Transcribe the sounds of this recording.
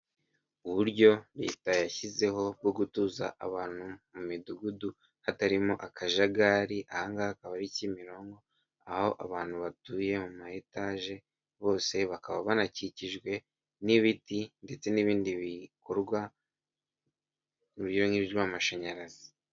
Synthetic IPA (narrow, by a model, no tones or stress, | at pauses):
uβuɾɟo̞ɾe̞̰ːtajaçize̞ɦo̞b̚ɡo̞ɡutuːza̰ʔaβaːn̥humumiduɡudu | hataɾimo̞ʔakaʒaɡaːɾiʔahaŋɡahakaβaɾicimiɾo̞ːŋɡo̞ | ahho̞ʔaβaːn̥huβatuːje̞mumahetaːʒe̞ | βo̞ːse̞βakaβaβanaciciʒɡwe̞ | niβitinde̞t͡se̞niːβiːndiβikoɾɡwa | uβuɾjoŋiβjwamaʃaɲaɾazi